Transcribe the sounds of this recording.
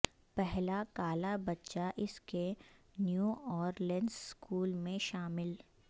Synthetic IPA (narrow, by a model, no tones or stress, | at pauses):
pɛɦlakaːlabɐtːʃaʔɪske | njuːɔːɾlɛ̃ɳɖzskʰuːlmẽʃaːmɪl